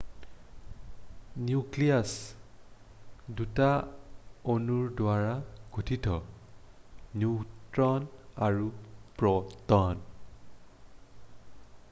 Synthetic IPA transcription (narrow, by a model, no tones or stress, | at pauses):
njuklias | duta | onuɹdwaɹaɡ̥ʱutʰitɔ | nutɹɔnaɹupɹɔtɔn